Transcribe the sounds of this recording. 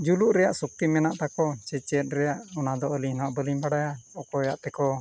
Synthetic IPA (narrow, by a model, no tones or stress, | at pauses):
d͡ʒuluʔɾɛjaʔsuk̚t̪imɛnaʔt̪akɔt͡ʃɛt͡ʃɛt̪̚ɾɛjaʔɔnad̪ɔəlinaʔbəlimbaɽajaɔkɔɛjaʔt̪ɛkɔ